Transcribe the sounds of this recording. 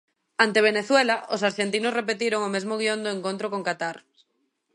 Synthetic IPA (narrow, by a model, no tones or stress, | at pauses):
ant̪eβ̞eneθwelaosaɾʃent̪̬inʊsrepet̪iɾoŋomezmoɣiond̪oeŋkõnt̪ɾokoŋkat̪aɾ